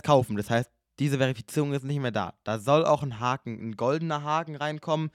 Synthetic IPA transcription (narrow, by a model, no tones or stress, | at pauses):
kʰaʊfn̩d̥ashaɪst̚ | d̥iːzəveʁ̞ifi̥t͡siːʁʊŋɪstnɪçtmeːɐda̰ːd̥aːzɔla̰ʊxnɦaːkŋ̩nɡɔldn̩ɐɦaːkŋ̩ʁaɪnkʰɔmən